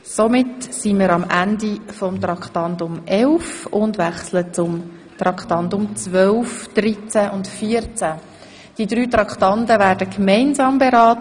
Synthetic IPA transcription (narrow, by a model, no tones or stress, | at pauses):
somɪtsiməɾɑmændifɔmt̪rɑkχtɑndʊmʔɛlfʊndʋɛχslət͡sʊm | t̪rɑktɑndʊmt͡sʋœlfd̥rit͡sæʔʊntfiəɾt͡sæ | d̥idɾyːt̪rɑkχtɑntəvæːɾdəkmɛɪnzɑːmbeɾɑːtə